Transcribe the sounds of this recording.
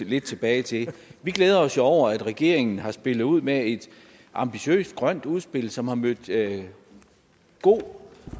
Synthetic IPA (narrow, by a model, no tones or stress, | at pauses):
le̝d̥̚t͡sʰe̝b̥ɛːɪt͡sʰe̝ʋiɡ̥leːð̞ˠɐɒ̽sjoɒʊ̰ɐæd̥ʁɛɡ̥e̝̰ɐeŋn̩ɦɑ̈sb̥e̝lð̩ˠuð̞̰ˠmee̝d̥ | ʔɑ̈mb̥iɕø̰ːsd̥̚ɡ̥ʁɶn̰d̥uð̞ˠsb̥e̝l̰sɒ̽mhɑ̈mød̥ | ɡ̥o̝̰ː